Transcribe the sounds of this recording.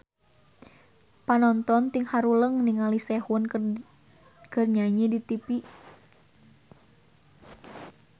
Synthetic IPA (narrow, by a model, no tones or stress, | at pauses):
panɔnt̪ɔnt̪iŋhaɾuləŋniŋalisɛhun | kərɲaɲidit̪ipi